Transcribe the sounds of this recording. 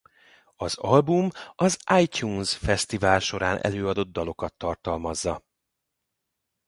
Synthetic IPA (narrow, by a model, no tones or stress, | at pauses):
ɒzɒlbumɒzʔaːjcuːnsfɛst̪ivaːlʃo̞ɾaːnʔɛ̰løːɒd̪o̞d̪ːɒlo̞kɒt̪ːɒrt̪ɒlmɒzːɒ